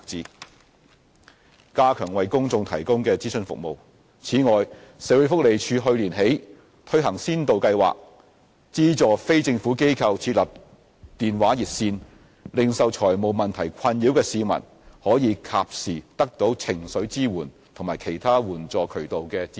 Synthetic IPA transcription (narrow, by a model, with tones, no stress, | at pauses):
t͡siː˧˥ | kaː˥kʰœː˨˩ŋwɐ˨jkʊ˥ŋt͡sʊ˧ŋt̪ʰɐ˨˩jkʊ˥ŋkɛː˧t͡siː˥sɵ˧nfʊ̰˨k̚mo˨˧w | t͡sʰiː˨˥ŋɔː˨jse˨˥wø˨˧˥fʊ˥k̚le˨jt͡ʃʰyː˨˧ɦɵ˧ɥliː˨˩nɦe˨˥j | t̪ʰɵ˥ɥɦɐ˨˩ŋsiː˥nt̪o˨wkɐ˧jwa̰ː˨k̚ | t͡siː˥t͡sɔː˨fe˥jt͡sɪ˧ŋfuː˨˥ke˥jkʰɐ˧wt͡sʰiː˧t̚lɐ˨˩p̚ | t̪iː˨˩nwaː˨˥jiː˨˩t̚siː˧n | lɪ˨ŋsɐ˨˧wt͡ʃʰɔː˨˩jmo˨˩wmɐ˨nt̪ʰɐ˨˩jkʰɐ˧nji˨˥wkɛː˧siː˨˧mɐ̰˨˩n | hɔː˨˥jiː˨˧kʰaː˨p̚siː˨˩t̪ɐ˥k̚t̪o˨˥wt͡sʰɪ˨˩ŋsɵ˨˥ɥt͡siː˥wuː˨˩n | t̪ʰo˨˩ŋmaː˨˩jkʰe˨˩jt̪ʰaː˥wuː˨˩nt͡sɔː˨kʰɵ˨˩ɥt̪o˨wkɛː˧t͡sː